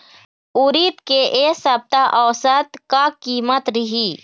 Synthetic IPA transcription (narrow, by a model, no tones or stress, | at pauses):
uɾit̪keʔesəb̚t̪aʔəwsət̪kakiːmət̪ɾiɦi